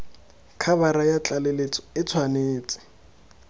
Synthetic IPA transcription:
kʰabaɾajat͡ɬʼalelet͡sɔ̥ɪt͡sʰwaneːt͡sʼɪ̥

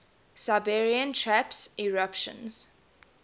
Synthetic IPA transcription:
saɪbɛɹiə̃ntʰɹæpsiɹapʃə̰̃nz̥

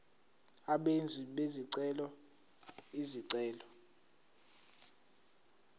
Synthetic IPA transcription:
aɓend͡zʱiɓeziǀɛlɔ | iziǀɛːlɔ

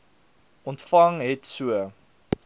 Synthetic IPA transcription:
ʔɔntfɐŋɦɛtsuə

